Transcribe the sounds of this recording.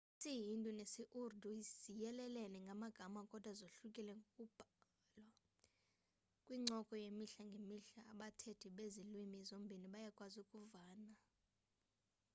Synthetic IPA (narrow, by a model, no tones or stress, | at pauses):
sijintʼunesiʔurdʱuiz̥ijɛlɛlɛlɛŋɡʱamaɡ̥ʱamakʼɔd̥ʱwazoɬukʼilɛŋɡʱokʼub̥ʱa | lwa | kʼwiŋ͡ǀʱɔkʼɔjemiɬaŋɡʱemiɬaːɓatʰedʰʱiɓezilwimizombʱiniɓajakʼwazukʼuvaːna